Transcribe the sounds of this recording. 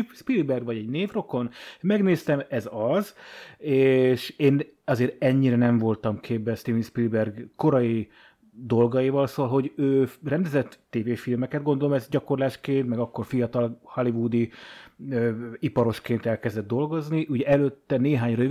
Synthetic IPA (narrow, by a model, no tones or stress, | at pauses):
ʃpilbɛrɡʋɒɟɛɟneːvro̞ko̞nmɛɡneːst̪ɛmɛzɒzeːʃeːn | ɒzeːɾɛɲːiɾɛnɛɱvo̞lt̪ɒmkʰeːbbɛst̪ivinʃpilbɛrɡko̞ɾɒji | d̪o̞lɡɒjivɒlsoːɒlɦo̞ɟøːrɛnd̪ɛzɛt̪ːeːveːfilmɛkɛd̪̚ɡo̞nd̪o̞lomɛzɟɒko̞rlaːʃkeːnt̪mɛɡɒkːo̞rfijɒt̪ɒlhɒlivud̪i | øipɒɾo̞ʃkeːnt̪ɛlkɛzd̪ɛd̪ːo̞lɡo̞zniʔuɟɛɛløt̪ːɛneːɦaːɲrø